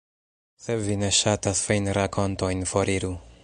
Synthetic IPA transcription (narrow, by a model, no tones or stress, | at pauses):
sevineʃat̪asfejnɾakʰont̪ojnfoɾiɾu